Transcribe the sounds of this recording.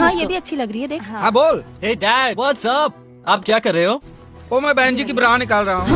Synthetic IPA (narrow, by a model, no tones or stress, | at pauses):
ɦãːjeːbʱiɐtːʃʰilɐɡɾəɦiːɦɛːd̪eːkɦɦãːboːlɦeːɖaːbɔːt̪səb̚ | aːp̚kjaːkəɾeːɦoː | oːmɛ̃ːbɛ̃ːnd͡ʒiːk̬ibəɾaːnɪkaːlɾəɦãː